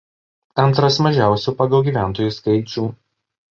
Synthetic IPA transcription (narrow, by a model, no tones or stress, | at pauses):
ɐnˑt̪ɾɐsmɐʒʲæˑʊsʲuːpɐɡɐlˠɡʲiːʋʲæˑnt̪oːjuskɐɪt͡ʃʲuː